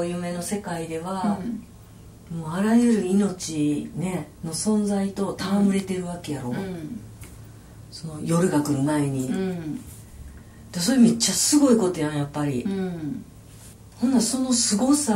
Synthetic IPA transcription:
jɯːme̞no̞se̞kaid̪e̞β̞a | moːaɾajɯɾɯ̟ino̞t͡ɕine̞no̞sõ̞nd͡zait̪o̞t̪amamɯ̟ɾe̞t̪e̞ɾɯ̟βake̞jaɾo̞ | so̞no̞jo̞ɾɯ̟ɡakɯ̟nɯmae̞ɲ̟i | d̪̥eso̞ɾemet͡ɕːasɨɡo̞iko̞t̪ojãjapːaɾʲi | hõ̞nːd̪aso̞no̞sɨɡo̞sa

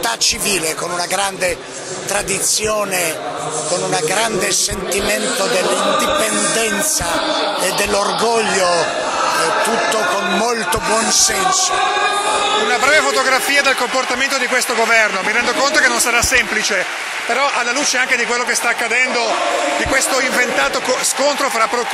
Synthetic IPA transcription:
t̪at͡ʃːiviːlekonunaɡɾand̪e | t̪ɾad̪it̪sjoːnekonunaɡɾand̪esent̪iment̪od̪elːind̪ipend̪ɛnt̪saed̪ːelːorɡoʎːo | t̪ut̪ːokonmolt̪obwɔnsɛnso | unabɾɛːvefot̪oɡɾafiːad̪elkomport̪ament̪od̪ikwest̪oɡovɛrnomiɾɛnd̪okont̪okenːonsaɾasːɛmplit͡ʃe | peɾɔʔalːaluːt͡ʃeaŋked̪ikwelːokest̪aːkːad̪ɛnd̪od̪ikwest̪oiɱvent̪aːt̪okoskont̪ɾofɾapːɾok

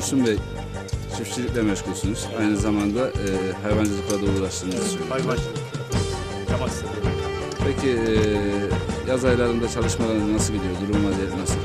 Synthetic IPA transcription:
sunvɛ | t͡ʃʰifʃilʲicʲlʲɛmɛʃkʰusunuz̥ajnɯzamand̪aʔɯɦajvand͡ʒɯlˠɯklˠaɾd̪auːlˠaʃt̪ʰɯnɯz̥jaʃ | amad̪ | pʰecʰi | jazajlˠaɾɯmd̪at͡ʃʰalˠɯʃmad̪ˠanasɯlˠɟid̪ijod̪uɾumumˠad̪ijɛt̪nasɯ

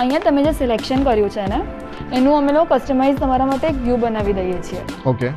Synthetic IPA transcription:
əĩjãt̪əmẽd͡ʒeselekʃənkəɾjũt͡ʃʰeneː | nũəmelokokəsʈəmaizt̪əmaɾamaʈeːkʋjubənaʋid̪əjet͡ʃʰieoke

